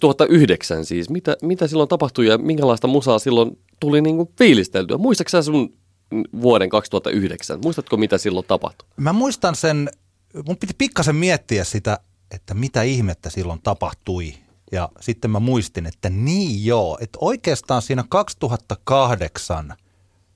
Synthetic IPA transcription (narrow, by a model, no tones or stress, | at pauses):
t̪uhɑt̪ːɑʔyhdeksæ̰nsiːsmit̪æmit̪æsilːont̪ɑpɑht̪uijɑmiŋkælɑist̪ɑmusɑːsilːon | t̪uliniːŋkunfiːlist̪elt̪yæ̰muist̪ɑksæːsun | ʋuoɾeŋkɑkst̪uhɑt̪ːɑ̰ʔyhdeksæ̰nmuist̪ɑt̪komit̪æsilːot̪ɑpɑ̰ht̪u̥mæmuist̪ɑnsen | mumpit̪i̥pikːɑsemmiet̪ːiæssit̪æ | et̪ːæmit̪æihmet̪ːæsilːont̪ɑpɑht̪ui | jɑ̰sit̪ːemmæmuist̪inet̪ːæniːjjoːet̪oikeːst̪ɑːnsiːnækɑkst̪uɦɑt̪ːɑkɑhdeksɑ̰n